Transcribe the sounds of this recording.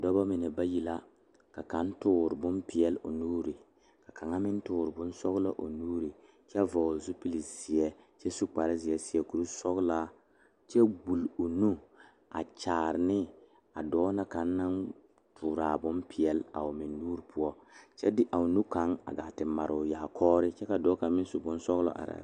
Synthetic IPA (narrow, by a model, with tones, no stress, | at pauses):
dɔ˦ba˦mɪ˨nɛ˨ba˦ji˨la˦ | ka˨ka˨˦n˦tʊː˦˨ɾɪ˨bʊ˦mpi˨jɛ˨lo˨nuː˦ɾi˨ | ka˨ka˨ŋa˦mɪ˦n˦tʊː˦˨ɾɪ˨bʊ˦n˦sɔ˦ɣla˦ʔo˨nuː˦ɾi˨ | t͡ʃɛ˦vɔ˨zu˦pi˦li˨z̥i˨ɛ˦t͡ʃɛ˦su˦k͡pa˨ɾɪ˦zi˨ɛ˦si˨ɛ˦ku˨˦ɾu˦sɔ˦ɣla˦ | t͡ʃɛ˦bu˨lo˨nu˦ | a̰˨t͡ʃaː˨ɾɪ˨nɪ˦ | a˨dɔː˦na˦ka˨˦nː˦a˦n | tʰʊː˨ɾaː˨bʊ˦mpi˨ɛ˨la̰˨ʊ˨mɪ˨nːuː˦ɾi˨pʰʊ˦ɔ˦t͡ʃɛ˦dɪ˦ʔa˨ʊ˨nu˦ka˨˦ŋa̰˨ɡa˨tɪ˨mːa˨ɾʊ˨jaː˨kʰɔː˦ɾɪ˦t͡ʃɛ˦ka˨dɔː˦ka˨ŋ˦mɪ˦n˦su˨bʊ˦nsɔ˦ɣlɔ̰˨ʔa̰˨ɾa̰˨